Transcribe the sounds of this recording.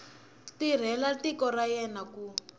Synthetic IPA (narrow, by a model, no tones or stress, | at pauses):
tir̤ɛlatikɔrajɛnaku